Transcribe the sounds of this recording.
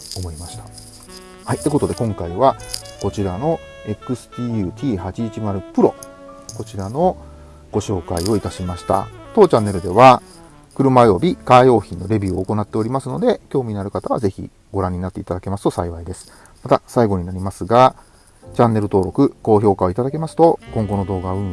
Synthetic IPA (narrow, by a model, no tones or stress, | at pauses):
omo̞imaɕi̥t̪ḁ | hait̪ːeko̞t̪o̞d̪e̞kõ̞ŋkaiβako̞t͡ɕiɾano̞ | e̞kɯ̟sɨ̥t̪ʲiːjɯ̟ːt̪ʲʰiːhat͡ɕiːt͡ɕimaɾɯ̟pɯ̟ɾo̞̰ | ko̞t͡ɕiɾano̞ | ɡ̥o̞ɕo̞ːkaio̞it̪aɕimaɕi̥t̪a̰t̪o̞t͡ɕãnːe̞ɾɯ̟d̪e̞βa | kɯ̟ɾɯ̟majo̞bʲikajo̞ːçĩnːo̞ɾe̞bʲiːoːko̞nat̪ːe̞o̞ɾʲimasɨno̞d̪e̞kʲo̞ːmʲiinaɾɯ̟kat̪aβa̰ze̞çḭ | ɡ̥o̞ɾãɲ̟ːinat̪ːe̞it̪ad̪ake̞masɨ̥t̪o̞saiβaid̪e̞sɨ̥ | mat̪asaiɡo̞ɲ̟inaɾʲimasɨɡa | t͡ɕãnːe̞ɾɯ̟t̪o̞ːɾo̞kɯ̟ko̞ːço̞ːkao̞it̪ad̪ake̞masɨ̥t̪o̞kõ̞ŋɡo̞no̞d̪o̞ːɡaɯ̟̃